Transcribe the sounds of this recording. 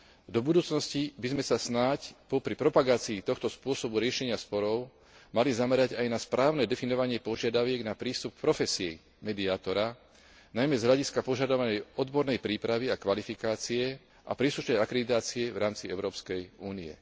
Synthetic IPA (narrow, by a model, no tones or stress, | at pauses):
d̪ɔbud̪uːt͡snɔscibizmɛsasnacpɔpɾipɾɔpaɡaːt͡siːt̪ɔxt̪ɔspʊɔsɔbuɾɪɛʃɛɲɪaspɔɾɔʊ | malizamɛɾaɟajnaspɾʔaːʊnɛd̪ɛfinɔʋaɲɪɛpɔʒɪad̪aʋɪɛɡnapɾiːst̪up̚kpɾɔfɛsiɛ | mɛd̪iaːt̪ɔɾa | najmɛzɦʎaɟiskapɔʒad̪ɔʋanɛjɔd̪bɔɾnɛjpɾiːpɾaʋiakʋalifikaːt͡siɛ | ʔa̰pɾiːsluʃnɛjakɾɛd̪it̪aːt͡siɛvɾaːmt͡siɛʊɾɔːpskɛjuːniɛ̰